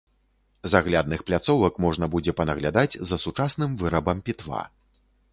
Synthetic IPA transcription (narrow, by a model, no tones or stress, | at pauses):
zaɣlʲad̪nɨxplʲat̪sɔvɐkmɔʐnɐbud͡zʲɛpɐnɐɣlʲad̪ad͡zʲzɐsut͡ʂasnɨmvɨɾɐbɐmpʲit̪va̰